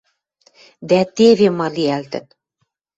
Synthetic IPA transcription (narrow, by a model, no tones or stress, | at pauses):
d̪æt̪eβemɑliælt̪ə̰̆t̪